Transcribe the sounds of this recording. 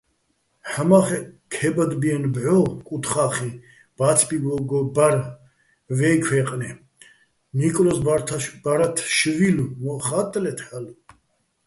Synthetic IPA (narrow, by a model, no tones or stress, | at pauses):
ħamaχɛkʰɛbad̪biɛnbʕɔkʼut̪χaːχi | b̥at͡sʰbiɡɔɡɔbaɾ | vɛkʰwɛːqʼnɛ | nikʼlɔsʰb̥aɾat̪ʰʃvilumɔχat̪ʼlɛt̪ʰħal